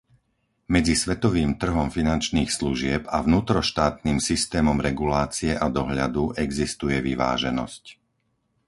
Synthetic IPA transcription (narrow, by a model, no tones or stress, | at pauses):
mɛd͡zisʋɛt̪ɔʋiːmt̪r̩ɦɔmfinant͡ʃniːxsluʒɪɛpavnuːt̪ɾɔʃt̪aːt̪niːmsist̪ɛːmɔmɾɛɡulaːt͡siɛʔad̪ɔɦʎad̪uɛɡzist̪ujɛʋiʋa̰ːʒɛnɔ̰sc